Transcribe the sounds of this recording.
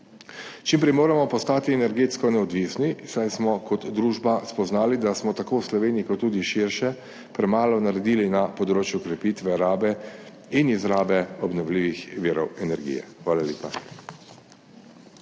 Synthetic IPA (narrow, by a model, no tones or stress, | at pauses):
t͡ʃimpɾɛjmoːɾamɔpɔst̪aːt̪iɛnɛɾɡeːt̪skɔnɛɔd̪ʋisnisajsmɔkɔt̪d̪ɾuːʒbaspɔznaːlid̪asmɔt̪akoːwslɔʋeːniikɔt̪ːuːd̪iʃiɾʃɛ | pɾɛmaːlɔnaɾɛd̪iːlinapɔd̪ɾoːt͡ʃjukɾɛpiːt̪ʋɛɾaːbɛ | inizɾaːbɛɔbnɔwliːʋixʋiːɾɔwɛnɛɾɡḭjɛ̰xʋaːlaljḛːpa